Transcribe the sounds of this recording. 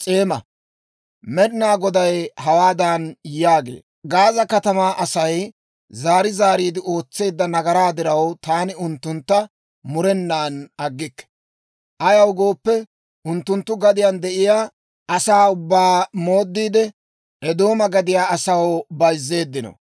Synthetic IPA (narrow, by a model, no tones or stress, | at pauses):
t͡sʼeːmɐ | mɛd̪ɪnaːɡɔd̪ɐjhɐwaːd̪anjaːɡḛː | ɡaːzɐkɐt̪ɐmaːʔɐsɐj | zaːɾɪzaːɾiːd̪ɪʔo̞ːt͡sːe̞ːd̪ːɐnɐɡɐɾaːd̪ɪɾɐwt̪aːnɪʊnt̪ːʊnt̪ːɐ | mʊɾɛnːaːnɐɡːɪkːɛ̥ | ʔɐjɐwɡo̞ːpːɛ | ʔʊnt̪ːʊnt̪ːʊɡɐd̪ɪjand̪ɛʔɪjaː | ʔɐsaːʊbːaːmo̞ːd̪ːiːd̪ɛ | ʔɛd̪o̞ːmɐɡɐd̪ɪjaːɐsɐwbɐjzːe̞ːd̪ːɪnɔ̰